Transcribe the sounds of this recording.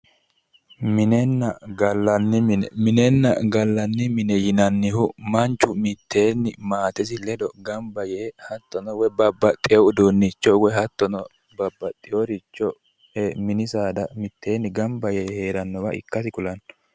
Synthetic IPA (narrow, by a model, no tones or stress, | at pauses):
mɪnɛnːɐɡɐlːɐnːɪmnmɪnɛnːɐ̰ɡɐlːɐnːɪmɪnɛjɪnɐnːɪhʊmɐnt͡ʃːʊmɪt̪ʰːe̞ːnːɪmaːt̪ɛs̬ɪlɛd̪ɔɡɐmbɐjeːhɐt̪ːɔnɔwɛbɐbːɐt̪ʼɪɛwʊd̪oːnːɪt͡ʃːɔwɛɦɐt̪ːɔnɔ | bɐbːɐt̪ʼːɪjoɾɪt͡ʃːɔ | hɛmɪnɪsaːd̪ɐmɪt̪ʰːe̞ːnːɪɡɐmbɐjeːheːɾɐnːɔwɐʔɪ̰kːɐsɪkʊlɐnːɔ